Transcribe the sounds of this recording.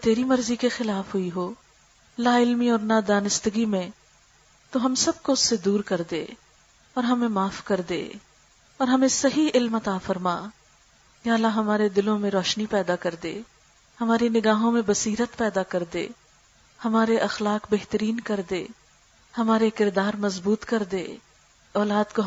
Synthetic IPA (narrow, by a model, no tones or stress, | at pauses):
t̪eːɾimɐɾzikexɪlaːfɦʊiɦoː | lːaɪlmiɔːɾnad̪aːnɪst̪əɡimẽ | t̪oɦɐmsɐb̚koʊsːed̪uːɾkɐɾd̪ḛː | ɔːɾɦɐmẽmaːfkɐɾd̪ḛː | ɔːɾɦɐmẽsɐɦiɪlmɐt̪aːfɐɾma̰ː | jaːɐlːaɦɐmaːɾed̪ɪlõmẽɾɔːʃnipɛːd̪akɐɾd̪ḛː | hɐmaːɾinɪɡaːɦõmẽbɐsiːɾət̪pɛːd̪akɐɾd̪ḛː | hɐmaːɾeʔɐxlaːkbeɦt̪əɾiːnkɐɾd̪eː | hɐmaːɾekɪɾd̪aːɾmɐzbuːt̪kɐɾd̪ḛː | ɔːlaːd̪ko